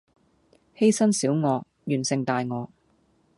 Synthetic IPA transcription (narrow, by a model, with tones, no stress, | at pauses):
he˥jsɐ˥nsiː˨˥wŋɔː˨˧ | jyː˨˩nsɪ˨˧ŋt̪aː˧jŋɔː˨˧